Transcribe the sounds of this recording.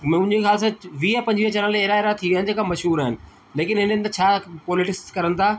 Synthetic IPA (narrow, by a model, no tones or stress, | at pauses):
mʊ̃ɲd͡ʑexjaːls̬ãʋiːapɐ̃ɲd͡ʑʋiət͡ɕɐɾənleeːɾaːeɾat̪ʰiʋjənɪ̆d͡ʑeːkãmɐʃɦuːɾaːɦɪnɪ̆ | leːkɪnɦɪnɪ̃nt̪ɐt͡ɕʰaːpɔːlɪʈɪkskɐɾənɪ̆t̪ʰaː